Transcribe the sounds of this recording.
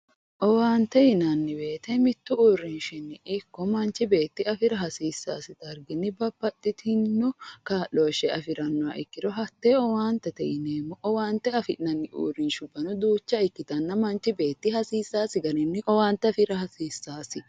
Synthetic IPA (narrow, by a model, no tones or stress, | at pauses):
ʔɔwaːnt̪ɛɪnɐnːɪbe̞ːt̪ɛmɪt̪ːʊuːrːɪnʃɪnːɪʔɪkːɔmɐnt͡ʃɪbe̞ːt̪ːɪɐfɪɾɐɦɐsiːsːaːsɪt̪ɐɾɡɪnːɪbɐb̥ːɐt̪ʼːɪt̪ʰɪnːɔkaːloːʃɛɐfɪɾɐnːʊa̰ʔɪkːɪɾɔɦɐt̪ːeɔwaːnt̪ɛt̪ɛʔɪneːmːɔʔɔwaːnt̪ɛɐfɪnɐnːɪʔṵːrːɪnʃʊbɐnʊd̪uːt͡ʃːɐɪkːɪt̪ɐnːɐmɐnt͡ʃɪbe̞ːt̪ːɪhɐsiːsːaːsɪɡɐɾɪnːɪʔɔwaːnt̪ɛɐfɪɾɐhɐsiːsːaːsɪ